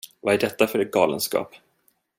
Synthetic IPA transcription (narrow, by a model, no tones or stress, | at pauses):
vaæɖɛt̪ːafœɾɛɡɑːlə̰nskɑ̰ːp